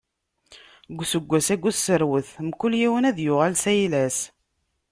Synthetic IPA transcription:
ɡʷːsəɡʷːæsæɡʷuθsəɾwəθmkːʊljiwənæðjʊʁælsæjlæs

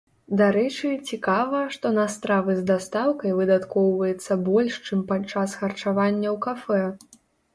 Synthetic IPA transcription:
d̪aɾɛt͡ʂɨt͡sʲikavɐʂt̪ɔnɐst̪ɾavɨzd̪ast̪awkɐjvɨd̪at̪kɔwvɐjɛt̪sːɐbɔlʲʂt͡ʂɨmpat͡ʂːasxɐrt͡ʂavanʲːɐwkafɛ

